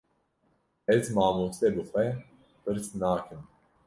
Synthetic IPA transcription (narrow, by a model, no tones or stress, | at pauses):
ɛzmaːmuːsɛbixʷwɛ | pɨɾsnaːkɨn